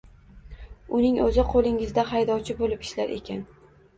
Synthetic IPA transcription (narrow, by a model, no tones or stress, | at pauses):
ʊnɪŋɵzɪqʰolˠɪŋɪzd̪aɦajd̪ɒwt͡ʃʰɪbolɪpɪ̥ʃlaɾʔe̞̰kʲʰan